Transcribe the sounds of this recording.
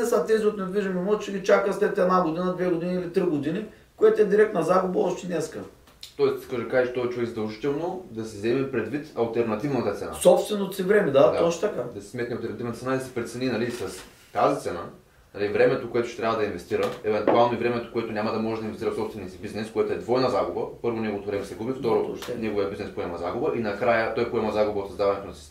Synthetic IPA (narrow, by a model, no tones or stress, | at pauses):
ɛsat̪ɛziot̪nɛviʒəmɛmɔʒt͡ʃɛɡʲit͡ʃakəslɛt̪ɛd̪naɡod̪inəd̪vɛɡod̪iniilit̪ɾiɡod̪ini | koɛt̪oɛd̪iɾɛk̚t̪nɐzaɡʊbɐɔʃt̪ɛnɛskə | t̪ɔɛst̪i̥skaʒɛd̪ɐkaʒit͡ʃɛt̪ɔvɛt͡ʃuvɛkzɐd̪ɐlˠʒit̪ɛlˠnod̪ɐsɛzɛmɛpɾɛd̪vit̪ɐlˠt̪ɛɾnɐt̪ivnɐt̪ət̪sɛ̰nasɔpst̪vɛnot̪sivɾɛmɛd̪at̪oʃt̪ɐkad̪ɐsi̥smɛt̪nʲiɐlˠt̪ɛɾnt̪ivnt̪əɛnaid̪ɐsɛ̥pɾɛt̪sɛninɐlisɐs | t̪azit̪sɛna | nɐlivɾɛmɛt̪okoɛt̪o̥ʃɛ̥t̪ɾʲavəd̪ɐinvɛst̪iɾəɛvɛnt̪ualˠnoivɾɛmɛt̪o̥koɛt̪onʲamɐd̪ɐmɔʒɛd̪ɐinvst̪iɾɐəfsɔpst̪vɛniəsibiznɛskoɛt̪oɛd̪vɔjnɐzaɡʊbəpɤɾvonɛɡovot̪ovɾɛmɛsɛɡubift̪ɔɾonʲɛɡoviəbiznɛspoɛmɐzaɡʊbəʔinɐkɾajət̪ɔjpoɛmɐzaɡʊbɐot̪sɐzd̪avɐnɛt̪onɐsi̥st̪